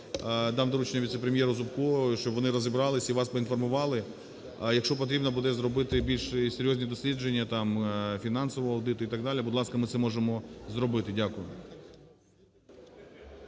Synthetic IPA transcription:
d̪ɑmd̪ɔɾut͡ʃnʲɐʋʲit̪sepɾʲemʲjɛɾʊzʊpkɔʃt͡ʃɔbʋɔnɪɾɔzʲibɾɑlˠɪsʲiʋɑspɔinfɔrmʊʋɑlˠɪ | jɐkʃt͡ʃɔp̬ɔt̪̬ɾʲibnɐbud̪ɛzɾɔbɪt̪ɪbʲilʲʃsejɔzʲnʲid̪ɔsʲlʲid͡ʒe̞nʲːɐt̪ɑmfʲinɑnsɔʋɔɦɔɐwd̪ɪt̪ʊit̪ɐɡd̪ɑlʲibʊd̪lˠɑskɐmɪt̪sɛmɔʒemɔzɾɔbɪt̪ɪdʲakʊjʊ

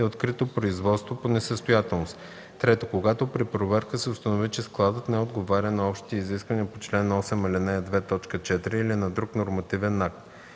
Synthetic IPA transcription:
ɛot̪kɾit̪opɾoizvɔt̪st̪voponɛsəst̪ojat̪ɛlˠnost̪ | t̪ːɾɛt̪okoɡat̪opɾipɾovɛɾkəsɛost̪ɐnovit͡ʃɛsklˠad̪ət̪nɛod̪ɡovaɾʲənɐɔpʃt̪i̥t̪iiziskvɐniɐpot͡ʃlɛnːɔsɛmilinaɛd̪vɛt̪ɔt͡ʃkət͡ʃɛt̪iɾiːlinɐd̪ɾuknoɾmɐt̪ivɛnak̚t̪

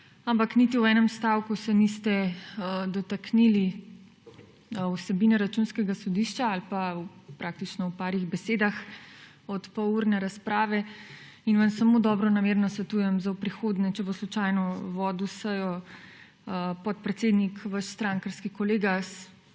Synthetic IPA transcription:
ampaknit̪iwɛːnɛmst̪aːwkusɛnist̪ɛ | d̪ɔt̪aknili | wsɛbinɛɾat͡ʃunskɛɡasɔd̪iʃt͡ʃaalpawpɾʔak̚t̪it͡ʃnɔwpaːɾiɣbɛseːd̪ax | ɔt̪pɔuɾnɛɾaspɾaːʋɛ | inʋansamod̪ɔːbɾɔnameːɾnɔsʋɛt̪uːjɛmzawpɾixoːd̪nɛt͡ʃɛboslut͡ʃajnɔʋɔd̪usəjɔ | pɔt̪̚pɾɛt̪seːd̪nikʋaʃst̪ɾaŋkəɾskikɔleːɡas

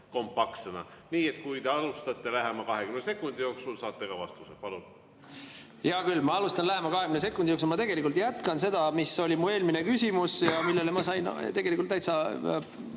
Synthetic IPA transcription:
ko̞mpːɑksenɑ̰niːet̪kujd̪eɑlust̪ɑt̪ːˑe̞læɦemɑkɑɦeɡ̥ymnese̞kːˑund̪̥ijo̞ːksulsɑːt̪ːˑeɡɑvɑ̰st̪usepɑlun | jɑkylːmɑɑlust̪ɑnlæɦemɑkɑɦekymnese̞kːˑund̪ioksulmɑt̪e̞ɡ̥e̞likːˑult̪jæt̪kɑnse̞d̪̥ɑmiso̞lʲimue̞ːlminekysʲimusjɑmilːelemɑsɑjn̰t̪e̞ɡ̥e̞likːˑult̪ːæjt̪sɑ

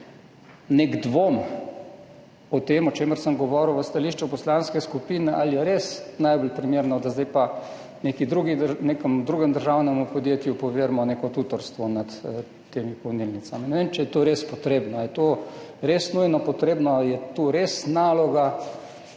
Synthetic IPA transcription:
neɡd̪ʋom | ɔt̪emɔt͡ʃeːməɾsəmɡɔʋɔɾəwʋəst̪aliʃt͡ʃupɔslanskɛskupiːnɛʔaljɛɾesnajbɔlpɾimeːɾnɔd̪azd̪ajpa | neːkid̪ɾuɡinekəmd̪ɾuːɡəmd̪əɾʒawnɛmupɔd̪jet̪jupɔʋeːɾmɔnekɔt̪uːt̪ɔɾst̪ʋɔnat̪ | t̪ːeːmipɔnilnit̪saminɛʋeːmt͡ʃɛjɛt̪oɾespɔt̪ɾeːbnɔjɛt̪oːɾesnujnɔpɔt̪ɾeːbnɔaljɛt̪uɾesnaːlɔɡa

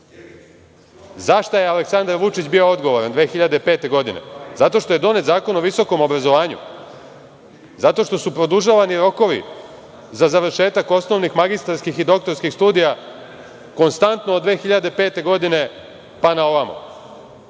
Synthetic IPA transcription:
zaʃt̪ajealeksand̪aɾʋut͡ʃit͡ɕbio̞od̪ɡo̞ʋoɾand̪ʋe̞ːxiʎad̪epe̞ːt̪e̞ɡo̞d̪inḛzat̪o̞ʃt̪o̞je̞d̪o̞ne̞t̪zaːko̞noʋiso̞ko̞mo̞bɾazoʋaːɲṵ | zat̪o̞ʃt̪o̞supɾo̞d̪uʒaːʋaniɾo̞ko̞ʋḭ | zazaʋr̩ʃe̞ːt̪ako̞sno̞ʋnixmaɡist̪aɾskixid̪o̞k̚t̪o̞ɾskixst̪uːd̪ija | ko̞nst̪ant̪noːd̪d̪ʋe̞ːxiʎad̪epe̞ːt̪e̞ɡo̞d̪ine̞ | panao̞ʋamo̰

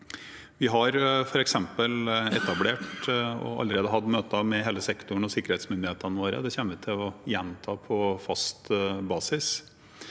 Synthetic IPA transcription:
ʋɪɦɑɾfɔɾɛksɛmpəlɛt̪ɑbleːʈɔ̰ɑ̰lːəɾeːd̪əɦɑd̪møːt̪ɑmɛɦeːləsɛkt̪ʊɳ̩ɔsɪkːəɾheːt̪smʏnd̪ɪheːt̪ənəʋoːɾə̰d̪ɛçɛnːəʋɪt̪ʰɪlɔjɛnt̪ʰɑːpʰɔfɑst̪bɑːsɪs

